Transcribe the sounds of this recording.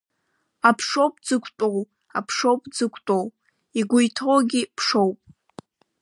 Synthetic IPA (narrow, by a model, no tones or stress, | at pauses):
apʰʂowpʼd͡zɨkʷʰtʼow | a̰pʰʂowpʼd͡zɨkʷʰtʼow | iɡʷʊjtʰowɡʲipʰʂowpʼ